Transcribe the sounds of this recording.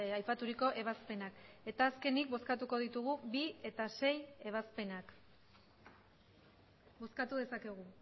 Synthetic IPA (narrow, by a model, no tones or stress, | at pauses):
ajpat̪uɾiko̞ʔe̞β̞aspe̞nake̞t̪aːske̞nik̚bo̞skat̪uko̞ð̞it̪uɣ̞ubie̞t̪ase̞je̞β̞aspe̞nak | bo̞skat̪uðe̞sake̞ɣ̞u